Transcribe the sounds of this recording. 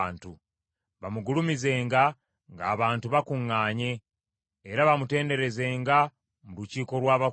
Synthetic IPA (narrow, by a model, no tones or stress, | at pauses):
ntu | βamuɡulumize̞ːŋɡa | ŋɡa̰ːβaːntuβakuŋːaːɲe̞ː | ɾaβamute̞ːnde̞ɾe̞ze̞ːŋɡa | muɾuciːko̞lwaːβa